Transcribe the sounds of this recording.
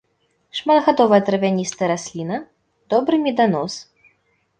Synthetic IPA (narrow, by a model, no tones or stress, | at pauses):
ʂmad̪ɣad̪ɔvɐjɐt̪ɾɐvʲanʲist̪ɨɾasʲlʲinɐ | d̪̥ɔbɾɨmʲɛd̪anɔs